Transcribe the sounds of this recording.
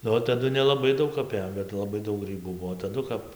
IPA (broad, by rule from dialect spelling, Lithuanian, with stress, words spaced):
nʊ ˈʋɐ tɐˈdʊ nʲɛlˠɐˈbɐɪ ˈdɐʊk ɐˈpʲeːjoːm bʲɛt lˠɐˈbɐɪ ˈdɐʊk ˈɡrʲiːbuː ˈbuɔ tɐˈdʊ kɐp